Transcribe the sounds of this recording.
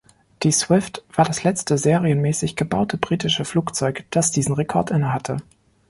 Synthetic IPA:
d̥iːsw̥ɪftv̥aːɐdaslɛt͡stəzeːʁiənmɛːsɪçɡ̥əbaʊtʰəbʁiːtɪʃəfluːkt͡sɔʏkd̥asd̥iːzn̩ʁekʰɔɐtʔɪnəɦatʰə

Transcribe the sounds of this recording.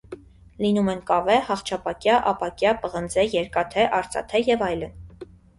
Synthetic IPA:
linumɛnkɑvɛhɑχt͡ʃʰɑpɑkjɑʔɑpɑkjɑpəʁənd͡zɛjɛɾkɑt̪ʰɛʔɑɾt͡sɑ̰t̪ʰɛjɛvɑjlən

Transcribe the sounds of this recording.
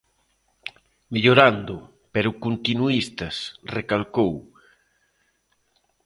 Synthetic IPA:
meʎoɾand̪ʊ | peɾʊkunt̪inuist̪ɐsrekalkow

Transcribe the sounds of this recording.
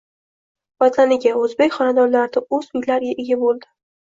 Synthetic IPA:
b̥at̪lanɪɡʲaɵzbekʲχɒnad̪ɒɾlaɾd̪aɵzmɪjʲlaɾʲaʔɪɡʲabolˠd̪ɪ̥

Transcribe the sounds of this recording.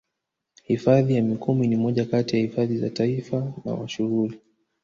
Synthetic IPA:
hifaðijamikuminimɔʄakatijahifaðiza̰taifana̰wa̰ʃuɣuli

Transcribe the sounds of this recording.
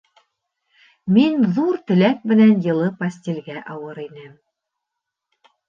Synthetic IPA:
minðuɾt̪ɘ̆læk̚mɘ̆nænjɤ̆lˠɤpɐsʲtʲelɡæʔɑwɤɾinɘm

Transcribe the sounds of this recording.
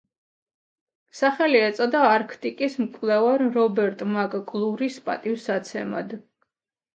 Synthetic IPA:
saχɛliɛt̪sʼɔd̪aːɾkʰt̪ʼikʼismkʼlɛvaɾɾɔbɛɾt̪ʼmakʼkʼlˠuɾispʼa̰t̪ʼifsat̪sʰɛ̰ma̰d̪

